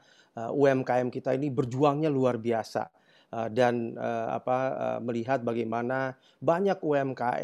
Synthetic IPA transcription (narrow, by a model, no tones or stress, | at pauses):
əuɛmkaɛmkit̪ainibərd͡ʒuaŋɲaluarbiasa̰ | ədanəa̰paə̰məliɦat̪̚baɡajmana | baɲakuɛmkaɛ̰